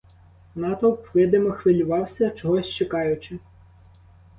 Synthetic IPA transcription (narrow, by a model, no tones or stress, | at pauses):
nɑt̪ɔwpʋɪd̪ɪmɔxʋɪlʲʊʋɑwsʲɐt͡ʃɔɦɔsʲt͡ʃekɑjʊt͡ʃɪ